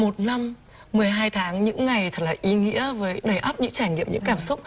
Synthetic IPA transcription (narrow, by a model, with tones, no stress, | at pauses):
mo˨˩t̚na˧mː | ɨ˨˩əjɦaː˧jt̪ʰaː˨˦ŋɲɨ̰˧˥ŋːa˨˩jt̪ʰə˨˩t̚laː˨˩ʔi˨˦ŋḭ˧˥əvəː˨˦jɗə˨˩jʔə˦˥p̚ɲɨ̰˧˥ŋt͡ɕaː˧˩jŋḭ˧˨əmɲɨ̰˧˥ŋkaː˧˩msʊ˦˥k͡p̚